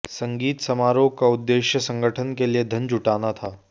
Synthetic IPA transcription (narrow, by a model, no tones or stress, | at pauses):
sɐ̃ŋɡiːt̪sɐmaːɾokaʊd̪ːeːʃjəsɐ̃ŋɡəʈʰənkelied̪ʱə̃nd͡ʒʱʊʈaːnat̪ʰaː